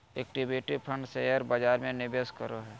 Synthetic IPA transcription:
eːk̚ʈibeːʈɪpʰə̃ɳɖsejəɾbad͡ʒaːɾmẽnɪbeskəɾoɦɛː

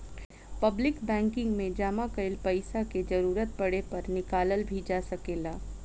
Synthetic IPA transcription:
pɐblɪkbɛ̃ːŋkɪ̃ŋɡmẽd͡ʒaːmakɐɪlpɐɪsaked͡ʒɐɾuːɾət̪̚pɐɽepɐɾnɪkaːləlbʱid͡ʒaːsɐkeːlaː

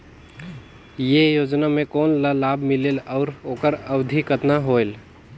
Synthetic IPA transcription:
jejod͡ʒnamẽkoːnləlabʱmilelɔʊɾoːkəɾəbd̪ʱikət̪naɦoel

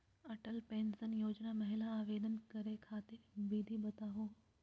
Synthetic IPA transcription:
ɐʈəlpẽːnsənjoːd͡ʑnamɐɦɪlaaːʋeːd̪ənkɐɾekʰaːt̪ɪɾbiːd̪ʱiɓɐt̪aːɦoː

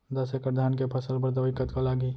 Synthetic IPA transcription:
d̪ɐsekəɾd̪ʱaːnkepʰəsəlpəɾd̪əʋikət̪kalaːɡiː

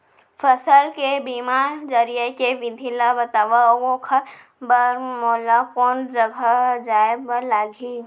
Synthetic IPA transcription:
fʰəsəlkebiːmaːɾd͡ʒəɾijekeʋɪd̪ʱilabət̪aːʋaoɡõkʰa | bəɾmɔːlakɔːnd͡ʒəɡʱad͡ʒaːebəlaːɡʱi

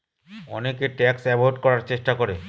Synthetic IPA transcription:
ɔ̰nekeʈɛksɛboɦoʈkɔɾaɾt͡ɕeʃʈakɔɾe

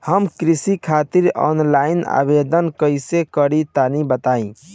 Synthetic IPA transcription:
həmkɾisikʰat̪iɾɔ̰nlaina̰bed̪ənkəjsekəɽitk̪anibət̪aĩ

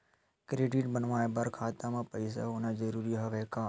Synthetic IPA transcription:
kɾeːɖiʈbənʋaːebɐɾkʰaːt̪amãpəɪsa̰ʊnad͡ʒəɾuːɾiɦɐʋeːkaː

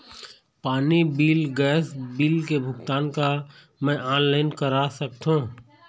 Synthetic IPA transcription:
paːnibiːlɡɛːsbiːlkebʱʊɡt̪aːnka | mɛ̃ʔaːnlaːɪnkəɾasək̚t̪ɦõː

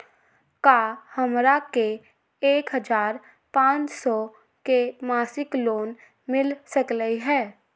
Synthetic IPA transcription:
kaːhəmɾake | eːkɦəd͡ʒaːɾ | pãːt͡ʃsɔ | kemaːsɪkloːn | mɪlsəkləiɦɛː

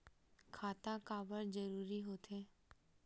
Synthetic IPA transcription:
kʰaːt̪ãkaːbəɾd͡ʒəɾuːɾiɦoːt̪eː

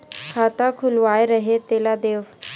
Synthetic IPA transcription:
kʰaːt̪akʰʊlʋaːeɾəɦet̪eːlad̪eːʋ

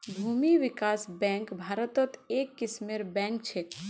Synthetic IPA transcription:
bʱuːmiʋɪkaːsbɛ̃ːŋkbʱaːɾət̪ɔt̪ekːɪsmeɾbɛ̃ːŋk̚t͡ʃʰe

